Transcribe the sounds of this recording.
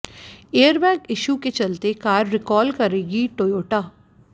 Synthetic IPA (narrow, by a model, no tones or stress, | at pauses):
eːəɾbɛ̃ːŋkɪʃuːket͡ʃəlt̪ekaːɾːɪkɔːlkəɾeːɡiʈoːjoːʈaː